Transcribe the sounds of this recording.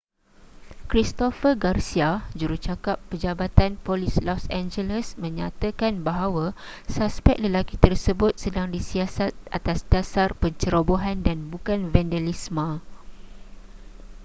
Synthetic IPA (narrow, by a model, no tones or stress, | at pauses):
kɾist̪ofəɡarsiad͡ʒuɾut͡ʃakapːəd͡ʒabat̪anpolislɔsãnd͡ʒələsmə̃ɲat̪əkanbaɦawasaspɛk̚ləlakit̪ərsəbʊt̪̚sədaŋdisiasat̪̚at̪asdasarpəɲt͡ʃəɾoboɦandanbukanvɛndalismã